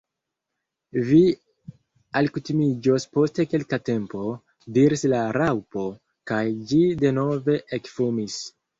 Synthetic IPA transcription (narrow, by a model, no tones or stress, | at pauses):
vi | alkutimid͡ʒospo̞ste̞ke̞lkate̞mpo̞ | diɾislaɾawpo̞ | kajd͡ʒide̞no̞ve̞ʔekfumis